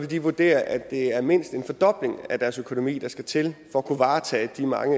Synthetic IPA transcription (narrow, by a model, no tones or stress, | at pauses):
ʋe̝ld̥iʋuɐd̥e̝̰ːɐʔæd̥e̝æɐme̝n̰sd̥e̝nfɒ̽d̥ɒ̽b̥le̝ŋæd̥æɐsøkʰo̝nomḭːd̥ɑ̈sɡ̥æt͡sʰe̝lfɒ̽ækʰuʋɑ̈ːt͡sʰɛ̰ːd̥imɑ̈ŋə